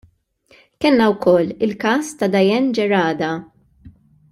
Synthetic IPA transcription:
kɛlnɐwkʰɔlːɪlkɐːst̪ɐd̪ɐjɛnd͡ʒɛɾɐːd̪ɐ

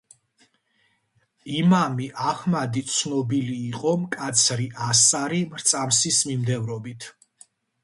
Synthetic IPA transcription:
imamiʔaχmad̪it̪sʰnɔbiliːqʼɔmkʼat̪sʰɾiʔasaɾimɾt̪sʼamsismimd̪ɛvɾɔbit̪ʰ

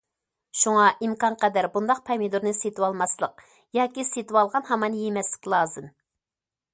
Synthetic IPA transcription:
ʃuŋɑʔimkɑnqɛd̪æɾbund̪ɑq̚pʰɑmid̪uɾnɨset̪ʰɨwɑlˠmɑslˠəq̚ | jɑːkʲiset̪ɨwɑlˠʁɑnhɑmɑnjemɛslɪ̥kʲlˠɑːzɨm

